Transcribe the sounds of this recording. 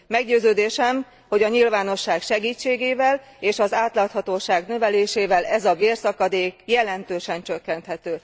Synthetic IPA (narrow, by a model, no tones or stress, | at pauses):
mɛɡɟøːzøːd̪eːʃɛm | ho̞ɟɒɲilvaːno̞ʃːaːkʃɛɡiːt͡ʃːeːɡeːvɛl | eːʃɒzaːt̪laːt̪hɒt̪oːʃaːɡnøvɛleːʃeːvɛlɛzɒveːrsɒkɒd̪eːkjɛlɛnt̪øːʃɛnt͡ʃø̞kːɛnt̪hɛt̪øː